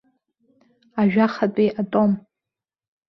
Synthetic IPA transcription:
aʒᶣaχatʼiʔatʼo̞m

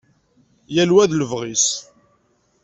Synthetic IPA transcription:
jælwæðləvʁis

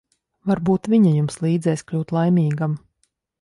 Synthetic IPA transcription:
vaɾbuːt̪vʲiɲajumslˠiːd̪zɛjskʎʲuːt̪lˠajmʲiːɡam

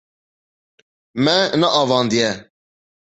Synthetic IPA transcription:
mɛnaʔɑvɑ̃nd̪ijɛ

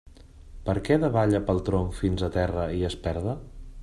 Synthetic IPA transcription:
pəɾkɛðəβaʎəpəlˠt̪ɾoɱfinzət̪ɛrəiəspɛɾðə

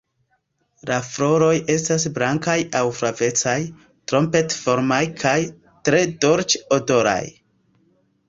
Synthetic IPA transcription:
lafɾo̞ɾo̞je̞stas̬blaŋkajawfɾave̞t͡saj | tɾo̞mpe̞tfo̞ɾmajkʰaj | tɾe̞do̞ɾt͡ʃodo̞ɾa̰j

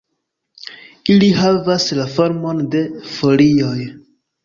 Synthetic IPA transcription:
ilihavaslafo̞ɾmo̞nde̞fo̞lioj

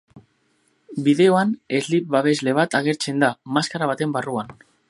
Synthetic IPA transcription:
biðe̞o̞ane̞zlip̚βaβ̞e̞zle̞β̞at̪aɣ̞e̞ɾt͡se̞nd̪amaskaɾaβ̞at̪e̞mbaruan

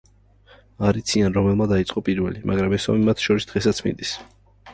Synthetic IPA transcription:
aɾit̪sʰianɾɔmɛlˠmad̪ait̪sʼqʼɔpʼiɾvɛlimʔa̰ɡɾamɛsɔ̰mimat̪ʰʃɔɾisd̪̥ʁɛsat̪sʰmḭnd̪is

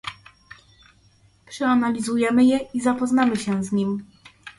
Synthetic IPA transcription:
pʂɛanalʲizujɛmɘjɛʔizapɔznamɘɕɛzɲim

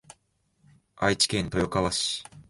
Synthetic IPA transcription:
a̰it͡ɕi̥kẽ̞nt̪o̞jo̞kaβaɕi̥

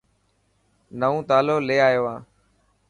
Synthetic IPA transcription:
nəõːt̪aːloːleːaːjoːãː

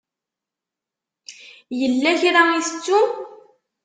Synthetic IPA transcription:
jəlːæçɾaiθə̥t͡sːu

